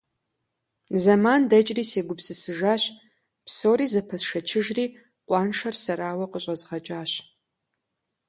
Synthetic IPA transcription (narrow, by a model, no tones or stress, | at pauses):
zɐmaːndɐt͡ʃʼriːseːɡʷʊpsɨsɨʒaːɕ | psoːɾiːzɐpʰɐsʂɐt͡ʃʰɪʒriː | qʷʼɑːnʂɐrsɐɾaːwɐqəɕʼɐzʁɐt͡ʃʼaːɕ